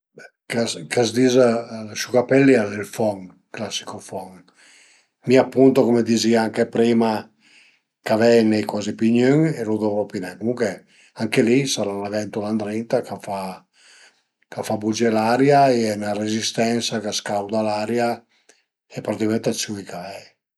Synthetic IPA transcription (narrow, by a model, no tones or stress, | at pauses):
ɛ | kaskazd̪izasukapɛlːialelfɔŋ | klasːi̥kofɔŋ | miapːunt̪okomed̪iziaaŋkepɾiːma | kavɛjnːejkwazipiɲøŋeɾud̪ovoɔpinɛŋkomuŋkwe | aŋkelisaɾanavɛnt̪uland̪ɾint̪akafa | kafabud͡ʒɛlaɾjaeɛnaɾezist̪ɛnsakaskawd̪alaɾja | epaɾat̪ikamɛnt̪at͡ʃːuikavɛj